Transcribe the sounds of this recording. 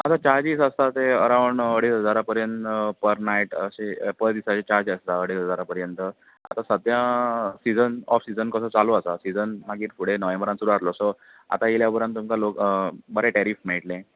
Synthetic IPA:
at̪at͡ɕaɾd͡ʑiːsəst̪at̪eəɾawɳəɽisɦəd͡zaɾapəɾjənt̪pəɾnaiʈəɕepəɾd̪isat͡ɕet͡ɕaɾd͡ʑəst̪aəɽisɦəd͡zaɾapəɾjənt̪ə | a̰t̪asəd̪jãsid͡zənɔ̰fsid͡zənkəsəːt͡saloəsasid͡zənmaɡiːɾfuɽ̤enəʋẽmbəɾãnsuɾuaɾlɔsɔ | a̰t̪ailjabəɾə̃nt̪ːumkalokbəɾɛ̃ʈɛɾiːfmeɭʈlɛ̃

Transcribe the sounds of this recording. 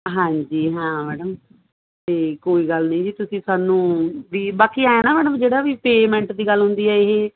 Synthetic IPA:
ɦãːɲd͡ʒiːɦãːmɛːɽəm | t̪eːkoːiːɡəlnĩːd͡ʒiːt̪ʊsĩːsaːnũːʋiːbaːkiːaːaːnaːmɛːɽəmd͡ʒeːɽaːʋiːpeːmɛ̃ɳʈd̪iːɡəlɦʊ̃nd̪iːɛːɪɦeː

